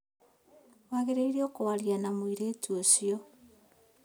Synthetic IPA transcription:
waɣeɾeiɾiokowaɾjanamwiɾeːtuosiɔ

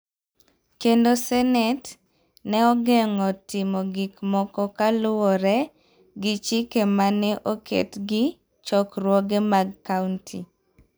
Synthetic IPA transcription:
kendosɛnɛt | nɛɔɡɛŋɔtɪmɔɡɪkmɔkɔkalʊwɔɾɛ | ɡɪt͡ʃikemanɛʔokʰḛtɡɪ | t͡ʃɔkɾwɔɡemaɡkauntʰḭ

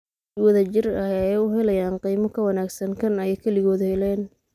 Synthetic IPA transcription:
wɐðɐt͡ʃɪrɐɛjʊɦɛlɐjaːnqijmɔkʰɐwɐnaːɡsɐŋkʰɐnɛjkʰɐlɪɣɔːðhɛlɛːn

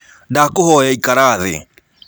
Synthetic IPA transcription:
ndakohɔjaikaɾaðḛ

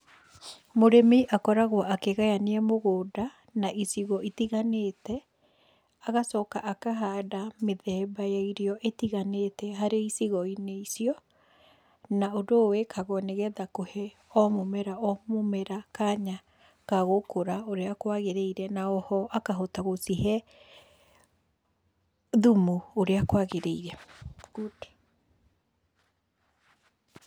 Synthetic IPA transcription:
moɾemeʔakɔɾaɣwaʔakeɣajaneɛmoɣoːda | naʔisiɣɔitiɣaneːtɛ | aɣasɔːkaʔakaɦadameðɛbajaiɾeɔʔetiɣanetɛɦaɾeisiɣɔineisiɔ | naodowekʰaɣɔneɣɛðakohɛ | ɔmomɛɾaɔmomɛɾakaɲa | kaɣokoɾaoɾeakwaɣeɾeiɾɛnaɔhɔʔakaɦɔtaɣosiɦɛ | ðumuoɾeakwaɣeɾeiɾɛɣote̥

